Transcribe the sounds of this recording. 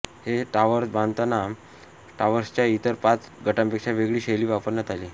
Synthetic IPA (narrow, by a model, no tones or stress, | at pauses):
heʈaʋəɾsbãnd̪t̪ana | ʈaʋəɾst͡ɕjait̪əɾpat͡sɡʱəʈãmpekʂaʋeɡɭiːɕeliːʋapəɾnat̪aliː